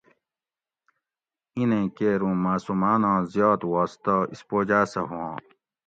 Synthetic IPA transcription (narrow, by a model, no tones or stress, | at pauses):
inẽːkeːɾũːmaːsumaːnãːzjaːt̪waːst̪aispoːd͡ʑaːsɐɦũãː